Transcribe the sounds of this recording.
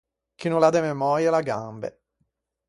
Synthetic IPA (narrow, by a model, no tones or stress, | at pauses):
kinolad̪ɛmemɔːɾjalaɡambḛ